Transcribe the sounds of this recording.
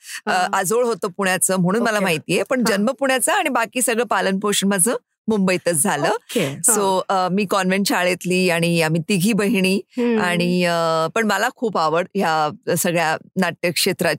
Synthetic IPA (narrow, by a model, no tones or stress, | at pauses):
əʔad͡zoɭɦot̪oːpuɽjat͡səːm̤əɽ̃uːnməlamaɦit̪iːjepəɳd͡ʑənməpuɳjat͡saːɽ̃ibakiːsəɡɭəpalənpoɕənmad͡zʱəː | mumbəjt̪ət͡sd͡zʱaləːsoəmiːkɔnʋenʈt͡ɕaɭet̪liːaɽ̃iamiːt̪iɡʱiːbəɦiɽ̃iːaɽ̃iəpəɳməlakʰuːpaʋəɽɦjasəɡɭjanaʈjəkʂet̪ɾa